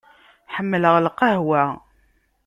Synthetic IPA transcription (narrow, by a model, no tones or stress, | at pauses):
ħəmːələʁlqəɦwæ